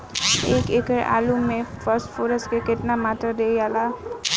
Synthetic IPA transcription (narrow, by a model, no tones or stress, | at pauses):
eːkekəɾʔa̰ːlumːẽfəɾsʈfoːɾəsʈkekɪʈnamat̪ɾəd̪ejala